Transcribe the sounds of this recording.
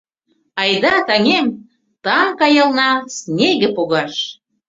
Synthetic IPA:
ɑjd̪ɑt̪ɑŋʲem | t̪ɑŋkɑjɤ̆lˠnɑsnʲeɣĕpoɣɑʃ

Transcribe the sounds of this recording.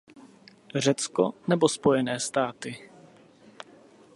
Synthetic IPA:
rɛt͡sko̰nɛbospo̞jɛnɛːst̪aːt̪ɪ

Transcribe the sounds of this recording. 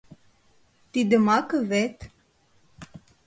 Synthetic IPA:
t̪id̪əmakəvɛt̪

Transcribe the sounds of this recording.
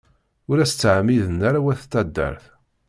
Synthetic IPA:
ʊɾæsə̥t͡sːʕamːiðənːaɾawæθt̪ːæd̪ːə̰ɾθ

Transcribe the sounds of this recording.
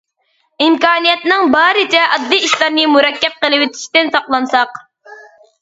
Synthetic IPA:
imkɑːnijɛt̪nɨŋbɑːɾɨt͡ʃ̪ʰɛʔɑd̪ːɨiʃlˠɑɾnɨmuɾɛkʲːɛp̚qəlˠɨwɪt̪ʰi̥ʃt̪ɪnsɑqlˠɑnsɑq

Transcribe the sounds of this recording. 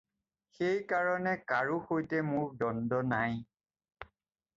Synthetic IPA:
xejkaɹɔnɛkaɹuxojtɛmʊɹdɔndɔnaj

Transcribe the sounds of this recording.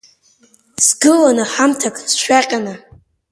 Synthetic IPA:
sɡɨlanɨħamtʰakʰʼsʃʷᶣaqʲʼana

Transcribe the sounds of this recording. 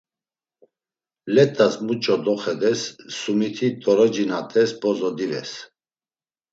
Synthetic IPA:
lɛt̪ʼːasmut͡ʃʼɔd̪ɔχɛd̪ɛsːumit̪ʰit̪ʼɔɾɔd͡ʒinat̪ʼɛsbɔzɔd̪ivɛ̰s

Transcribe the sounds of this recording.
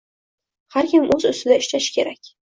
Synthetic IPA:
haɾkʲɪmʔɵzʊst̪ɪd̪aɪʃt͡ʃaʃɪ̥kʲʰe̞ɾakʲ

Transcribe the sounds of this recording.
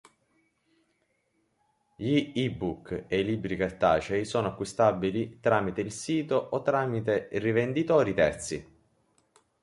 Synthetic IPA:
ʎiibukːeilibɾikart̪a̰ːt͡ʃɛjsɔːnoakːist̪abilit̪ɾaːmit̪eilsiːt̪oʔɔt̪ːɾaːmit̪eirivend̪it̪ɔːɾit̪ɛrt̪sḭ

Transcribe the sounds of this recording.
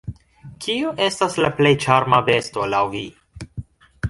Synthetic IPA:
kʰioʔe̞staslaplejt͡ʃaɾmave̞sto̞lawvi

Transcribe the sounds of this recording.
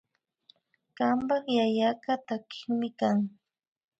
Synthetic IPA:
ɢampɑχjajakat̪akʰɪ̥ŋmɪkaŋ

